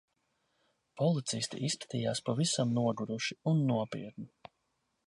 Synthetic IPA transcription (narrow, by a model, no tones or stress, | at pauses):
pɔlˠit̪sist̪iʔiskḁt̪iːjaːspavisamnuɔɡuɾuʃiunːuɔpḭɛt̪ni